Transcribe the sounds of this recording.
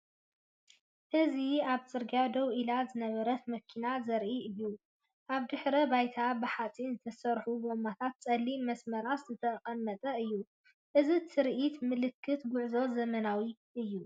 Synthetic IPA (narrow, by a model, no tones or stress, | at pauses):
ʔɨziaβt͡sʼɨɾɡjad̪ɐwʔilazɨnɐβɐɾɐt̪mɐkʰinazɐɾʔiɨjːu | ʔaβd̪ɨħɾɐbajt̪ʰabɨħat͡sʼinzɨt̪ʰɐsɐɾħubomat̪ʰat̪̚t͡sʼɐlːimɐsmɐɾaszɨt̪ʰɐqʼɐmːɐt̪ʼɐɨjːu | ʔɨzit̪ʰɨɾʔit̪mɨlɨkʰːɨt̪ɡʊʕzo̞zɐmɐnawi | ʔɨjːu